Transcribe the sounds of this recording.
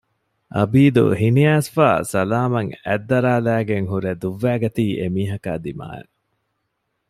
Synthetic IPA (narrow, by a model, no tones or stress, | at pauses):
ʔɐ̰biːd̪ṵɦiniaːsfa̰ːsɐlaːmɐŋæ̰d̪ːɐɾaːlæːɡeŋɦuɾed̪uʋːæːɡɐt̪iːʔemiːɦɐka̰ːd̪ima̰ːḛ